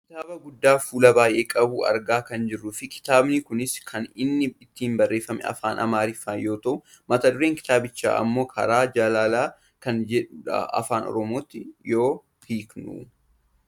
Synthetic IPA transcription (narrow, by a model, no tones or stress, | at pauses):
kɪt̪aːbɐɡʊd̪ːaːfuːlɐbaːjʔe̞ːkʼɐbuːɐ̰ɾɡaːkɐnd͡ʒɪrːʊfɪkʰɪ̥t̪aːbnikʊnɪskʰɐnɪnːɪɪt̪ːiːmbɐrːe̞ːfːɐmɛ̰ɐ̰faːnʔɐ̰maːɾɪfːaːjo̞ːt̪ɐʔʊ | mɐt̪ɐd̪ʊɾeːŋkɪ̥t̪aːbɪt͡ʃːa̰ːʔɐ̰mːo̞ːkʰɐ̰ɾaːd͡ʒɐlaːlaː | kɐnd͡ʒɛɐ̰ɐ̰faːnɔ̰ɾɔmoːt̪ːɪjo̞ː | hiːknṵ